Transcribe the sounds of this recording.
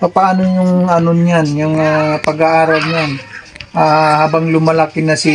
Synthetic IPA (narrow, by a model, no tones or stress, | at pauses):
pɐpaaːnojʊŋɐnonanjʊŋpɐɡaʔaːɾɐwɲanʔahaːbɐŋlʊmɐlakɪnɐsi